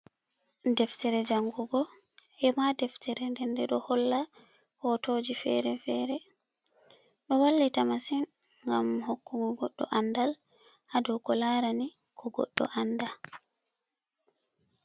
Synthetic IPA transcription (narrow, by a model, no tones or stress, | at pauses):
dɛftɛɾɛd͡ʒaŋɡuɡɔhɛmadɛftɛɾɛndɛndɛɗɔhɔlːahɔtoːd͡ʒifɛ̰ɾɛfɛɾɛ | ɗɔwalːitamasin | ŋɡa̰mhokːuɡɔɡɔɗːɔ̰ʔandal | hadɔwkɔlaɾani | kʰɔɡɔ̰ɗːɔ̰ʔanda